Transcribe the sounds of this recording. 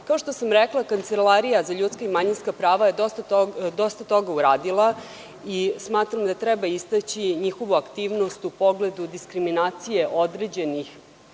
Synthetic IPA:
kao̞ʃt̪osamɾeklˠakant̪selaɾijazaʎuːt̪skaimaɲinskapɾaːʋajed̪ost̪at̪od̪o̞st̪at̪o̞ɡauɾaːd̪ilˠa | ismaːt̪ɾamd̪at̪ɾɛbaist̪at͡ɕiɲixo̞ʋuakt̪iːʋno̞st̪upo̞ɡle̞d̪ud̪iskɾiminaːt̪sije̞ʔo̞d̪ɾed͡ʑe̞nix

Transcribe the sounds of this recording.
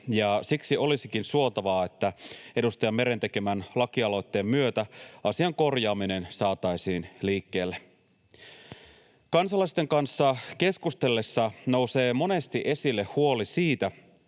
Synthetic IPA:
jɑsiksio̞lisikinsuo̞t̪ɑʋɑːe̞t̪ːæe̞dust̪ɑjɑmmeɾe̞nt̪eke̞mænlɑkiɑlo̞jt̪ːe̞ːmːyøt̪æɑsiɑŋko̞rjɑːmine̞nsɑːt̪ɑjsiːnliːkːe̞ːlːe | kɑnsɑlɑist̪e̞ŋkɑnsːɑke̞skust̪e̞lːe̞sːɑno̞wse̞ːmo̞ne̞st̪iʔe̞silːe̞huo̞lisiːt̪æ

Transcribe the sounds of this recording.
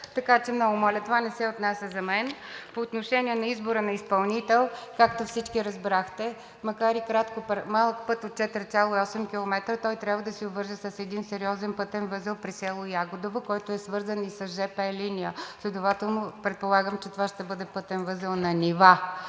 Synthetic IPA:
t̪ɐkat͡ʃɛmnɔɡʊmɔlʲɛt̪ovanɛsɛot̪nasʲəzɐmɛn | poːt̪noʃɛnʲiɛnɐizboɾənɐispɐlˠnit̪ɛlˠkakt̪ofsit͡ʃkiɾɐzbɾaxt̪ɛ | mɐkaɾikɾat̪kopɾmalˠək̚pɤt̪ot̪̚t͡ʃɛt̪əɾt̪sʲalˠoiɔsɛmkʲilˠomɛt̪ɾət̪ɔjt̪ɾʲabvəd̪ɐsiobvɤɾʒəsɐsɛd̪insɛɾiɔzɛnpɤt̪ɛnvɤzəlˠpɾisɛlˠojaɡʊd̪ovokɔjt̪oɛsvɤɾzənisɐsʒɛpɛɛlinijəslʲɛd̪ovat̪ɛlˠnopɾɛt̪̚polˠaɡəmt͡ʃɛt̪ovaʃt̪ɛbɤd̪ɛpɤt̪ɛnvɤzəlˠnɐnʲiva

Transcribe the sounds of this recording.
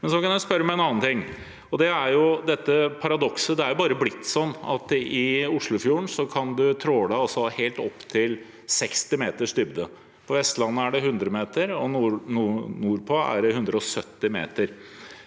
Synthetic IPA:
mɛnsɔkɑnjæspœɾːəmɛɛnɑːnt̪ʰɪŋː | ɔd̪ɛæɾjʊd̪ɛt̪ːəpʰɑɾɑd̪ɔksəd̪ɛæɾjʊbɑːɾəblɪt̪ːsɔnːɑ̰t̪ɪʊʂlʊfjuːɳsɔkʰɑnd̪ʉt̪ʰɾoːd̪æɑsɔheːlt̪ɔpːt̪ʰɪl | sɛkst̪ɪmeːt̪əʂd̪ʏbd̪ə | pʰɔʋɛst̪lɑnːəæɖɛɦʉnd̪ɾəmeːt̪əɾɔnnuːɾpʰoːæ̰ɖɛhʉnd̪ɾəɔsœt̪ːɪmḛːt̪əɾ

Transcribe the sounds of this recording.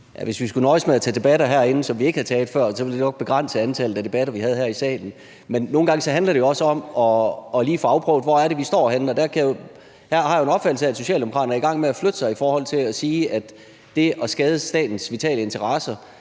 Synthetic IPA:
jæʋe̝sʋisɡ̥unɒ̽ɪsmeæt͡sʰɛ̰ːd̥e̝b̥æɾ̥ɐɦæɐ̰e̝nəsɒ̽mʋie̝ɡ̥əhæt͡sʰɛːld̥fɶɐ̰sɒ̽ʋe̝ld̥e̥eɒ̽ɡ̥̚b̥e̝ɡ̥ʁɑn̰səænt͡sʰɛl̩̥æd̥e̝b̥æɾɐʋihæð̞̩ˠhæɐ̰isdɛ̰ːd̥n̩ | menːo̝ːn̩ɡɑ̈ŋsɒ̽ɦændlɐɾ̥e̝jo̝ɒ̽səɒ̽m̰ɒ̽ːliːfɒ̽ɑ̈ʊpʰʁœʊd̥ʋɒæɐɾe̝ʋisd̥ɒ̰ːɦenn̩ɒd̥æɐkʰæjo | hæɐ̰ɦɑ̈jo̝e̝nɒ̽b̥fæd̥l̩sææd̥so̝ɕɛ̰ːld̥emo̝kʰɑ̈ːdɐnɐiɡ̥ɑ̈ŋ̰meæflød̥ə̥sɑ̈ɪifɒːhɒ̽l̰t͡sʰe̝læsiːæd̥ː | e̝ʔɒ̽sɡ̥ɛːð̞ˠəsd̥ɛ̰ːd̥n̩sʋit͡sʰɛ̰ːləe̝nt͡sʰɐʁɑ̈sɐ

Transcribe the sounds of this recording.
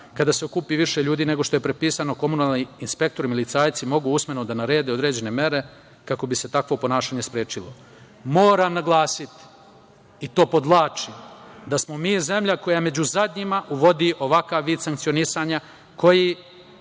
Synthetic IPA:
kad̪ase̞okupiʋiʃe̞ʎuːd̪iːne̞ɡo̞ʃt̪o̞je̞pɾepiːsano̞ko̞munaːlˠniinspe̞k̚t̪o̞ɾimilit̪saːjt̪simo̞ɡuusme̞nod̪anaɾe̞ːd̪eod̪ɾe̞ːd͡ʑe̞ne̞me̞ɾe̞ | kako̞bise̞t̪akʋo̞po̞naːʃaːɲe̞spɾeːt͡ʃilo̞̰ | moːɾamnaɡlˠaːsit̪ | it̪o̞ːpo̞d̪lˠaːt͡ʃid̪asmo̞miːze̞mʎako̞jame̞d͡ʑuzad̪ɲimaʔuʋo̞d̪iʔo̞ʋakaʋːiːd̪saŋkt̪sionisaɲa | ko̞ji

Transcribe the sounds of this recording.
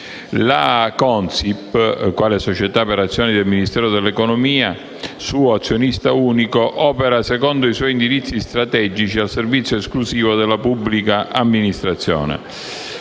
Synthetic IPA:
lakɔnsipːkwaːlesot͡ʃɛt̪apeɾat̪sːjɔːnid̪ɛlminist̪ɛːɾod̪ɛlːɛkɔnomiːa | suːoat̪sːjonist̪auːnikoʔɔːpeɾasɛkɔnd̪oiswɔjind̪iɾit̪sːist̪ɾat̪ɛd͡ʒit͡ʃialservit̪sːjoesklusiːvod̪ɛlːapubːlikaʔamːinist̪ɾat̪sːjɔ̰ːnɛ̰

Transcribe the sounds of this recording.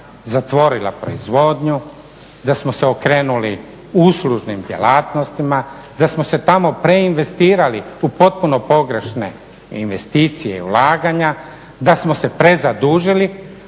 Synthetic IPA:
zat̪ʋo̞ɾilˠa̰pɾo̞̰izʋo̞d̪ɲu | d̪asmose̞okɾeːnuli | usluʒnimd̪jḛlaːt̪no̞st̪imad̪asmo̞se̞t̪amo̞pɾe̞inʋe̞st̪iːɾaliupo̞t̪̚puno̞po̞ɡɾe̞ʃne̞̰ | inʋe̞st̪iːt̪sije̞ḭulaːɡaɲa | d̪asmo̞se̞pɾe̞zad̪uːʒili

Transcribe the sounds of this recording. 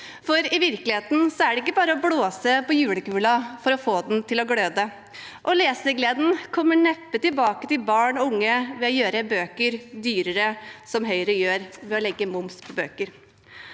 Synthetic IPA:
fɔɾɪʋɪɾkəlɪheːt̪n̩sɔæɖɛɪkːəbɑːɾəɔbloːsəpɔjʉːləkʉːlɑfɔɾɔfoːd̪nt̪ʰɪlɔɡløːd̪ə | ʔɔleːsəɡleːd̪n̩kʰɔmːəɳɛpːət̪ɪlbɑːkət̪ɪbɑːɳɔʊŋːəʋɛɔjøːɾəbøːkəɾd̪yːɾəɾəsɔmɦœʏɾəjøːɾʋɛɔlɛɡːəmʊmspʰɔbøːkəɾ

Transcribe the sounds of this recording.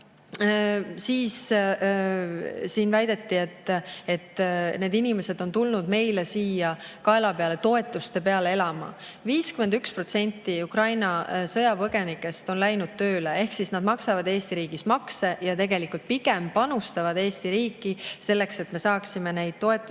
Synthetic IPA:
siːs | siːnvæjd̪e̞t̪ːie̞t̪ːˑe̞t̪ne̞ːd̪inime̞se̞d̪o̞nt̪ulnud̪me̞jlesiːjɑkɑe̞lɑpeɑle̞t̪o̞e̞t̪ːˑust̪e̞pe̞ɑlee̞lɑmɑ̰ | viːskyme̞nd̪ykspro̞t̪se̞nʲt̪ːˑiukrɑjnɑsɤjɑpɤɡ̥e̞nikːˑe̞st̪o̞nlæjnud̪̥̚t̪ø̞ːle̞e̞hksisnɑd̪̥̚mɑksɑvɑd̪e̞ːst̪iɾiːɡ̥ismɑkse̞jɑt̪e̞ɡe̞likult̪̚piɡempɑnust̪ɑvɑd̪e̞ːst̪iɾiːkːˑise̞lːe̞kse̞t̪me̞sɑːksime̞ne̞jd̪̥̚t̪o̞e̞t̪ːˑu

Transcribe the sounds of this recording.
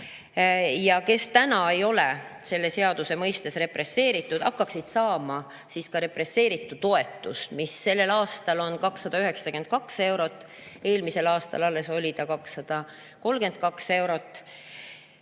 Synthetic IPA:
jɑke̞st̪ænɑe̞jo̞lese̞lːe̞se̞ɑd̪̥use̞mɤjst̪e̞sre̞pre̞sːe̞ːɾit̪ːˑud̪̥ɑkːɑksid̪̥sɑːmɑ | siːskɑɾe̞pre̞sːe̞ːɾit̪ˑːut̪ːo̞e̞t̪ːˑusmisːe̞lːe̞lɑːst̪ɑlo̞nkɑksːɑd̪̥ɑyɦe̞ksɑ̥ɑke̞nd̪̚kɑkse̞wɾo̞t̪ːˑ | e̞ːlmise̞lɑːst̪ɑ̰lɑlːe̞so̞lʲit̪ɑkɑksːɑd̪̥ɑ | ko̞lːke̞nd̪̥̚kɑkse̞wɾo̞t̪ːˑ

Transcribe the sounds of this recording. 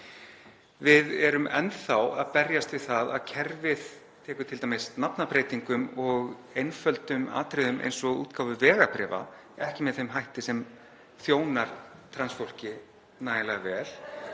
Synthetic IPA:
vɪðɛɾʏmɛnθawaðpɛɾjast̪vɪðθaða̰ðcʰɛɾvɪð̥ | t̪ʰɛːkʏt̪ʰɪlt̪amesnapnapɾeːjt̪iŋkʏmɔɣejnfœlt̪ʏma̰ːt̪ʰɾɪðʏmʔḛjnsɔɣṵːt̪kawvʏvɛːɣapɾɛːva̰ | ɛhcɪmɛðθejmɦajht̪ɪsɛm | θjoːwnaɾ̥t̪ʰɾansfowl̥cɪ | naːjɪlɛɣavɛːl̥

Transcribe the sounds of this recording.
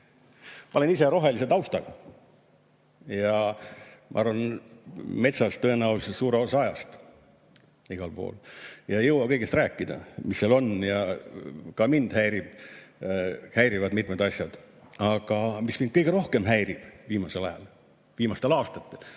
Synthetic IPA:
mɑ̰olenise̞ɾo̞ɦe̞lis̬et̪ɑwst̪ɑɡ̥ɑ | jɑ | mʔɑ̰ɑrvɑn | me̞t̪sɑst̪ø̞enɑulsesuːɾeosɑɑjɑst̪ | iɡ̥ɑlpo̞̰ːljɑjɤwwɑkɤjɡest̪ræːkˑːid̪ɑ̰misːelo̞njɑ | kɑmind̪̥hæjɾib̥ | hæjɾivɑd̪mit̪med̪̥ɑsjɑd̪̥ | ɑɡ̥ɑmismin̥̚kɤjɡ̥eɾo̞hke̞mɦæjɾib̥viːmɑselɑjɑ̰l | viːmɑst̪elɑːst̪ɑt̪ːe̞l

